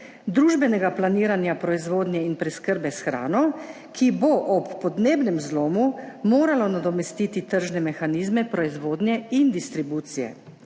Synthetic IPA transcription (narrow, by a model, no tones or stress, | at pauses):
d̪ɾuːʒbɛnɛɡaplaniːɾanjapɾɔizʋoːd̪njɛinpɾɛskəɾbɛsxɾa̰ːnɔ | kʰiboʔɔpːɔd̪neːbnɛmzloːmumoːɾalɔnad̪ɔmɛst̪iːt̪it̪əɾʒnɛmɛxaniːzmɛpɾɔizʋoːd̪njɛind̪ist̪ɾibuːt̪sijɛ̰